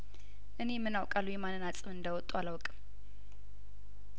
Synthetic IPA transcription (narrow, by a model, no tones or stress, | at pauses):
ʔɨnemːɨnawkʼalːujɛmanːɨnat͡sʼɨmɨnd̪əwɔt̪ʼːualawkʼɨm